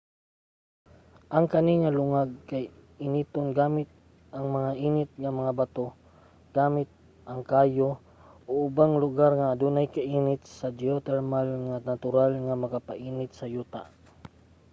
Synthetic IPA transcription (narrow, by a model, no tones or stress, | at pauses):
ʔɐŋkɐnɪŋalʊŋaɡ̚kaj | ɪniːt̪onɡaːmɪt̪̚ | ʔɐŋmɐŋaʔiːnɪt̪̚ŋamɐŋabat̪o | ɡ̥aːmɪt̪̚ | ʔɐŋkaːjo | ʔoʔʊbaŋlʊɡaɾŋaːd̪uːnajkaʔiːnɪt̪̚sad͡ʒot̪ɛɾmalŋanat̪ʊɾalŋamɐkapaʔiːnɪt̪̚sɐjuːt̪a̰ʔ